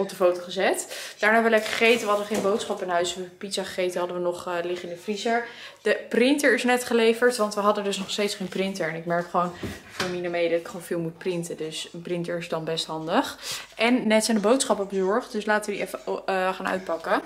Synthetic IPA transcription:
ɔp̚dəfowtoχəzɛtd̥aːɹnaːɛbəʋəlɛkχə̥χejtəʋəɦɑdənχejnbowtsχɑpɪnɦœɥsəpisaχəχejtəɦɑdəʋənɔχlɪχɪnəfrizaɹd̥əprɪntəɹɪsnɛtχəlejvəɹtʋɑntʋəɦɑdəndɵsnɔχstejtsχejnprɪntəɹɛnɪkmɛɹkχəʋownfoːɹminəmejdɑtɪkχonfɪːlˠmut̚prɪntədøsənprɪntəɹɪsdɑnbɛstɦɑndəχʔɛnːɛtsɛjndəbowtsχɑpɔbəzɔɹχtdøslaːtəʋədiʔɛfəχaːnœ̰ɥt̚pɑkə

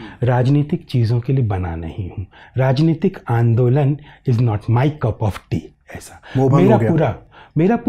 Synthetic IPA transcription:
ɾaːd͡ʒniːt̪ɪkt͡ʃiːzõkeliebɐna̰nɐ̰hĩhũːɾaːd͡ʒniːt̪ɪkãːnd̪oːlənɪznɔːʈmaːɪkɐpɔːfʈiː | ɛːsḁomeːɾauɾameːɾapː

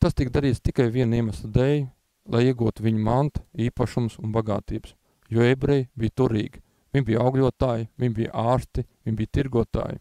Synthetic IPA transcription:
t̪ast̪ikd̪aɾiːt̪t̪ikajviɛniɛmaslˠd̪ɛj | lˠajiɛɡuːt̪uviɲumant̪iːpaʃumsunbaɡa̰ːt̪iːbs | jɔːebɾɛjbijt̪uɾḭːɡ | vʲiɲbijawɡlʲuɔt̪aːjvʲiɲbij̰aːɾst̪iviɲbiːjt̪iɾɡuɔt̪a̰ːjɪ̰

